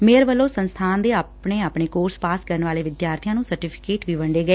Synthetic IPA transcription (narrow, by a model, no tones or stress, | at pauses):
meːɾʋəlːoːsənst̪ʰaːnd̪eːaːpɳeːaːpɳeːkoːɾspaːskəɾəɳʋaːleːʋɪd̪jaːɾt̪ʰijãːnũːsəɾʈiːpʰɪ̥keːʈʋiːʋəɳɖeːɡəeː